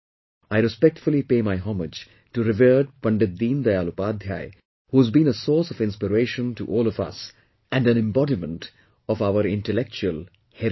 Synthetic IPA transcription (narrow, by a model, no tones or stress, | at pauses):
aɪɾɨspɛk̚ʈfʊlipeːmaɪɦɔməd͡ʒ | ʈuɾɪvəːɖ̚pʌ̃ɳɖed̪ĩːnd̪ajaːlupaːd̪ʱja̰ɪ | huzbĩːnəsɔːɾsɔvɪ̃nspɪɾeːʃə̃ntṵʔɔːlɔvʌ̰s | æ̃ɳɖæ̃nɪ̃mbɔdimə̃nʈ | ɔfaʊəɾɪ̃nʈəlɛk̚t͡ʃuəl | hɛ